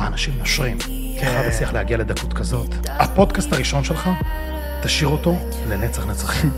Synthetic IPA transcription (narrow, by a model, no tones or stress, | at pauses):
aːnaʃimːoʃʁim | keχadasliaχleaɡiale̞d̪akutkazo̞t̪ | hapo̞d̪kastaʁiʃo̞nʃe̞lχa | t̪aʃiʁo̞to̞ | le̞net͡saχnet͡saχi